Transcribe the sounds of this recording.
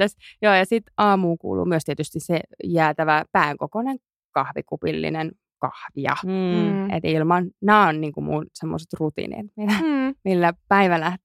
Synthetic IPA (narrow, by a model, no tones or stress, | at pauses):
æsjoːjɑsit̪ɑːmuːkṵːlṵːmyøst̪iet̪yst̪issejæːt̪æʋæpæːŋkokoneŋ | kɑhʋikupilːḭnen | kɑ̰hʋiɑ̰ | et̪ilmɑnnæːonniːŋkumunsemːo̰se̥t̪rut̪ḭnḭt̪minæmilːæpæiʋælæht̪